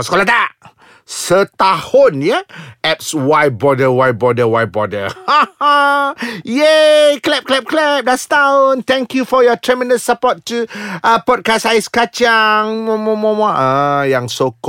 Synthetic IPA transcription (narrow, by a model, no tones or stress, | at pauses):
sə̥kolat̪aʔ | sət̪ahʊnjəʔɛp̚swaj̚bɔdəwaj̚bɔdəwaj̚bɔdə̰aa | jeklɛp̚klɛp̚klɛp̚dast̪aʊnt̪ɛ̃ŋkjufɔjɔt̪ʰɹɛmɛndəsːəpɔttuʔəpɔd̚kasajɪskat͡ʃaŋmɔmɔ̃mɔ̃maʔajaŋsok